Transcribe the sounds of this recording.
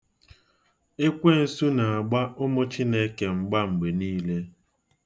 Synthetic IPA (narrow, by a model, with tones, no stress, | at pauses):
e˦kʷe˦n̩˦su˦na˨a˨ɡ͡ba˦ʊ˦mʊ˦t͡ʃi˦ne˦ke˨ŋ͡m̩˨ɡ͡ba˦ŋ͡m̩˨ɡ͡be˨niː˦le˦